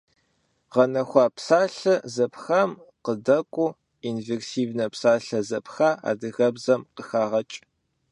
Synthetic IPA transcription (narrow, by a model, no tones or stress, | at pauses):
ʁɐnɐxʷɑːpsaːɬɨzɐpʰxamqədɐkʷʼʊ | inversiːvnɐpsaːɬɐzɐpʰxaːʔa̰ːdɨɣɐbzɐmqəxaːʁɐt͡ʃʼ